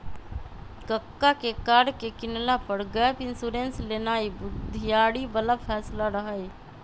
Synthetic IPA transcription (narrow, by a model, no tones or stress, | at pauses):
kəkːakekaɾɖkekinlapəɾɡɛpinsuɾenslenaibud̪ʱːijaɽibəlapʰɛslaɾəɦəj